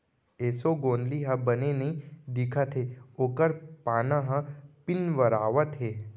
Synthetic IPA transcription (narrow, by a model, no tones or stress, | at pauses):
eːsoɡõːnd̪liɦə̃bənenɐĩd̪ikʰat̪ʰɦeoːkəɾpaːnãɦãpɪnʋəɾaːʋət̪ɦeː